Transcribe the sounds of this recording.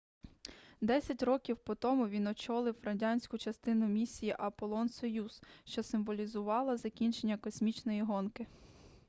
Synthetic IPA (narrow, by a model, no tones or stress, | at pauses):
d̪ɛsʲɐtʲɾɔkʲiwpɔt̪ɔmʊʋʲinɔt͡ʃɔlˠɪwrɐdʲanʲsʲkʊt͡ʃɐst̪ɪnʊmʲisʲijiʔɐpɔlˠɔnsɔjuz̥ʃt͡ʃɔsɪmʋɔlʲizʊʋɑlˠɐzɐkʲinʲt͡ʃe̞nʲːɐkɔsʲmʲit͡ʃnɔjiɦɔnkɪ